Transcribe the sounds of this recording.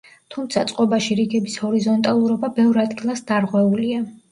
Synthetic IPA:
t̪ʰumt̪sʰat̪sʼqʼɔbaʃiɾiɡɛbishɔɾizɔnt̪ʼalˠuɾɔbabɛvɾad̪ɡilˠasd̪aɾʁwɛulia

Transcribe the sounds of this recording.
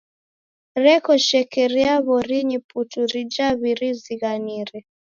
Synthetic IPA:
ɾɛkɔʃɛkɛɾiaβɔɾiɲiputuɾid͡ʒaβiɾiziɣaniɾɛ

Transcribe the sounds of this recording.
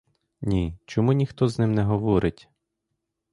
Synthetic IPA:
nʲit͡ʃɔmunʲixt̪ɔznɪmnɛɦɔʋɔɾʔɪtʲ

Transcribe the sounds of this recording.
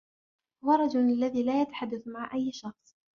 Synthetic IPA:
ʊwɑɾˤɑd͡ʒʊlalːaðiːlaːjat̪ḁħad̪ːaθmaʕʔajːʃɑxsˤ

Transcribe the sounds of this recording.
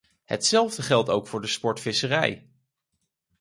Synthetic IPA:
hə̰tsɛlˠvdəχɛlˠtowkfʊːɹdəspɔɹtfɪsərɛ̰j

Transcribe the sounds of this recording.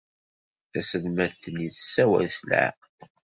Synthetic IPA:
θæsəlmæθniθəsːæwæ̰slʕa̰q

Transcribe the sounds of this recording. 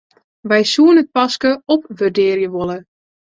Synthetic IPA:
ʋɛjsuənət̚pɑskəɔpʋərdɪːrjəʋolˠə

